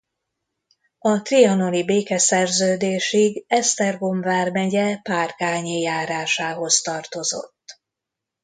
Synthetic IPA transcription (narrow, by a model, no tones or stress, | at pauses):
ɒt̪riɒnolibeːkɛsɛrzøːd̪eːʃiɡɛst̪ɛrɡo̞ɱvaːrmɛɟɛpaːrkaːɲijaːɾaːʃaːɦo̞st̪ɒrt̪o̞zo̞̰t̪ː